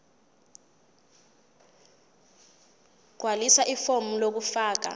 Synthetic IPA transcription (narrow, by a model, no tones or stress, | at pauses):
ɡ̥ʱwalisaʔifomulok̬ufaːk̬a̰